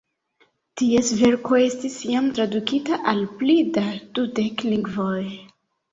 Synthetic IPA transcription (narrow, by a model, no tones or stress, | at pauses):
tiesve̞ɾko̞e̞stisjamtɾadukitaʔalplidad̥ude̞kliŋɡvoj